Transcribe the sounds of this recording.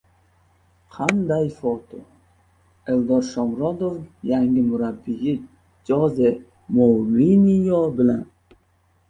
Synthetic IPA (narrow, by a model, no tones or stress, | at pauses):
qʰand̪ajfot̪ʰo | eld̪ɒɾʃɒmɾɒd̪ovjaŋɡʲɪmʊɾabːijɪ | d͡ʒɒze | molinijɒbɪlan